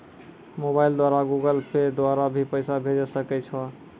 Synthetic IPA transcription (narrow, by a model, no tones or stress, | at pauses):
mobaɪld̪waɾaɡuɡəlped̪waɾabʱipəɪsabʱed͡ʒɛsəkɛt͡ʃʰɔ